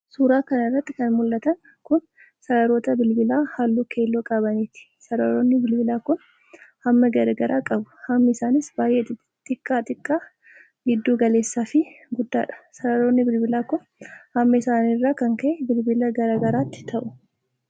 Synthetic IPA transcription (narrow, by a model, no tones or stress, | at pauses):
suːɾaːkɐnɐɪrːɐt̪ːɪkɐnmʊlːɐt̪ɐŋ | kʊn | sɐɾɐɾoːt̪ɐbɪlbɪlaːhaːlːuːkʰe̞ːlːoːkʼɐbɐniːt̪ɪ̥sɐɾɐɾoːnːɪbɪlbɪlaːkʊn | hɐmːɐɡɐɾɡɐɾaːkʼɐbʊ̥hɐmːɐɪsaːnɪsbaːjʔeː | t̪ʼɪkʼːaːt̪ʼɪkʼːaː | ɡɪd̪ːuːɡɐle̞ːsːaːfɪ | ɡʊd̪ːa̰ːᶑɐ̥sɐɾɐɾoːnːɪbɪlbɪlaːkʊn | hɐmːɐɪsaːniːrːaːkɐŋkɐʔɛbɪlbɪlɐɡɐɾaːɡɐɾaːt̪ːɪ̥t̪ʰɐʔʊ